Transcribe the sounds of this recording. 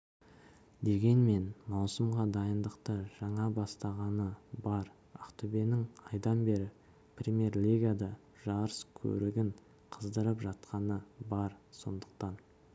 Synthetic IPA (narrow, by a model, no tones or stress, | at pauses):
d̪e̞ɡʲe̞nme̞nmɑwsəmʁɑd̪ɑjənd̪əqt̪əʒ̥ɑɴɑbɑst̪ɑʁɑnəbɑɾ | ɑqt̪ʰʏbe̞nɪŋɑjd̪ɑnbe̞ɾɪ | prʲimʲje̞rlʲiɡad̪ɑ | ʒɑɾəskʲʰɵ̰ɾɪɡʲɪŋ | qʰəzd̪əɾəpʒɑt̪̚qɑnəbɑɾso̞̰nd̪ə̥q̚t̪ɑn